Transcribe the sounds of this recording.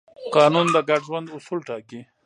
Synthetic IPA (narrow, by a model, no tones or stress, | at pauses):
qɑːnund̪əɡaʈʒwand̪ʊsulʈɑːki